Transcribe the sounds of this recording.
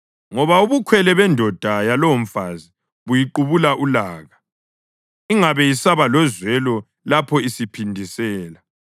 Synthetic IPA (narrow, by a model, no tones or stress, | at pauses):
ŋɔβauβukʰwɛlɛβɛndʱɔd̥ʱajalɔwɱ̩fazi | βujiǃuβulaʔulaːɣa | iŋaβɛjisaβalɔzwɛlɔ | lapʰɔisipʰindʱisɛːla